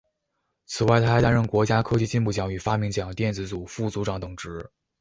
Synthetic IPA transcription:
t͡sʰɹ̩˨˩wa˥˩ɪt̪ʰa˥xa˧˥t̪a˥nɻə˥˩nkwɔ˧˥t͡ɕja˥kʰɤ˥t͡ɕi˥˧t͡ɕi˥˧npu˥˩t͡ɕjɑ˧˥ŋy˨˩fa˥mi˧˥ŋt͡ɕjɑ˨˩ŋt̪jɛ˥˩nt͡sɹ̩˧˥t͡su˨˩fu˥˩t͡su˧˥ʈ͡ʂɑ˨˧˥ŋt̪ʊ˨˩ŋʈ͡ʂɻ̩˧˥

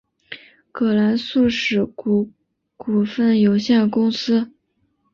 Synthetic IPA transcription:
kʰɤ˨˩la˧˥nsu˥˩ʂɻ̩˨˩˨ | ku˨˩fə˥˩njo˧˥ʊɕjɛ˥˩nəkʊ˥ŋsɹ̩˥

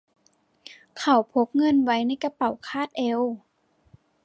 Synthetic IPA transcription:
kʰa˨˩wpʰo˧˦˥k̚ŋɤ˧˥˨nwa˧˦˥jna˧˥˩jka˧pa˨˩wkʰaː˥˩t̪̚ʔɛ˧˥w

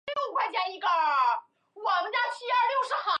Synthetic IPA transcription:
jo˥˧ʊkwa˥˧ɪt͡ɕja˥˩i˧˥ɡə˧ | wɑ˨˧˥ŋt͡ɕa˥˧t͡ɕʰi˥a˞˥˧ljo˥˧ʊʂɻ̩˧˥˩xɑ˧˥

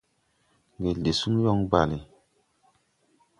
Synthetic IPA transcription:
ŋ˨e˨lde˨su˦ŋ˦jɔ˦ŋba˨li˨

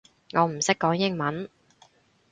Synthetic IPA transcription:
ŋɔː˨˧m̩˨˩sɪ˥kːɔː˨˥ŋjɪ˥ŋmɐ˨˥n

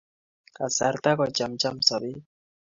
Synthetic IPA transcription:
ka˨sa˨ɾt̪a˦kɔ˨t͡ʃa˨mt͡ʃa˦msɔ˨bi˦

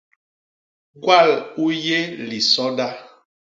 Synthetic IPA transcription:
ɡwa˦˨lu˦je˦li˨sɔ˦da˦

